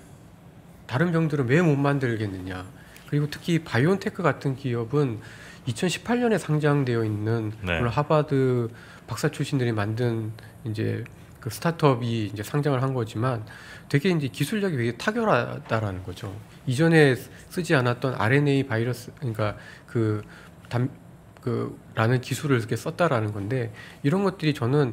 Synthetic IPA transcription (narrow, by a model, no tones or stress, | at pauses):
taɾɯnmbjʌŋdɯɾɯnwe̞momːandɯɭɡe̞nːɯɲa | kɯɾiɡotʰɯ̥kʰipajontʰe̞kʰɯɡatʰɯnkiʌbɯn | it͡ɕʰʌnɕʰi̥pʰaɭɲʌne̞sʰaŋd͡ʑaŋde̞jʌinːɯnoɭːonɦabadɯ | pak̚s͈at͡ɕʰuɕʰindɯɾimandɯn | ind͡ʑe̞̰ | kɯsʰɯ̥tʰatʰʌbiːnd͡ʑe̞sʰaŋd͡ʑaŋɯɭɦanɡʌd͡ʑiman | twe̞ɡe̞ind͡ʑe̞kisʰuɭd͡ʑʌɡiweɡe̞tʰaɡjʌɾɦadaɾanɯnɡʌd͡ʑo̰ | id͡ʑʌne̞ | s͈ɯd͡ʑianat̚t͈ʌnʔa̰ɾe̞ne̞ipaiɾʌs͈kɯɲik͈akɯ | tam | kɯ̰ | ɾanɯnkisʰuɾɯɭkes͈ʌt̚t͈aɾanɯnɡʌnde̞iɾʌnɡʌt̚t͈ɯɾit͡ɕʌnɯn